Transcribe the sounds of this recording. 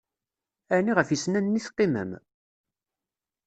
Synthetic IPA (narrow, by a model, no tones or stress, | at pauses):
æniʁəfjisnænːiθqːɪmə̰m